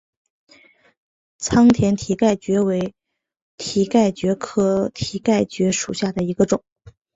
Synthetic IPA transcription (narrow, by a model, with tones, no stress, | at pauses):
t͡sʰɑ˥ŋt̪ʰjɛ˧˥nt̪ʰi˧˥ka˥˩ɪt͡ɕɥɛ˧˥we˧˥ɪ | t̪ʰi˧˥ka˥˩ɪt͡ɕɥɛ˧˥kʰɤ˥˩t̪ʰi˧˥ka˥˩ɪt͡ɕɥɛ˧˥ʂu˨˩ɕja˥˩d̪ə˩i˧˥ɡə˧ʈ͡ʂʊ˨˩˦ŋ